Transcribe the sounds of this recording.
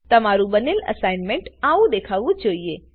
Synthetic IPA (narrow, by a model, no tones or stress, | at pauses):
t̪ɐmaɾũbənelə̰saɪnmẽɳʈaʋũd̪ekʰaːʋũd͡ʒoːie